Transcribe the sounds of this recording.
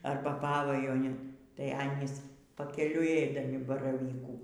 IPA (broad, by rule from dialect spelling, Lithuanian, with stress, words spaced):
ˈɐrbɐ ˈpɑːʋɐjuɔnʲɪn tɐɪ ˈɑːnʲiːs pɐkʲɛˈlʲʊɪ iː ˈɛɪdɐmʲɪ bɐrɐˈʋʲiːkuː